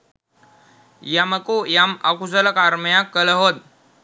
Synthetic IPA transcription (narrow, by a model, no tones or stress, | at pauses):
jaməkujaməkusələkaɾməjãkːələɦod̪̚